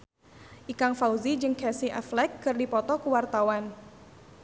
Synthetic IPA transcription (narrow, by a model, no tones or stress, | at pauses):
ʔikaŋfauzid͡ʒɨŋkɛsiʔa̰flɛkːɨrdipɔt̪ɔkəwart̪awan